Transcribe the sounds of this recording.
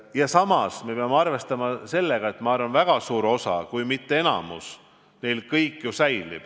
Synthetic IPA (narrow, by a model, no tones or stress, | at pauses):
jɑsɑmɑsme̞peɑmeɑrve̞st̪ɑmɑse̞lːe̞ɡ̥ɑe̞t̪ːˑmɑɑrvɑnvæɡ̥ɑsuːɾo̞sɑ̰kujmit̪ːee̞nɑ̰mṵs | ne̞jlkɤjkːˑjusæjlḭb̥